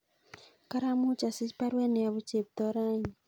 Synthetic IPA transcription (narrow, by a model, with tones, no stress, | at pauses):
ka˦ɾa˦mu˦t͡ʃa˨si˦spa˦ɾwe˦ne˨a˨βu˦t͡ʃe˨p̚t̪ɔ˦ɾa˦ɲi˨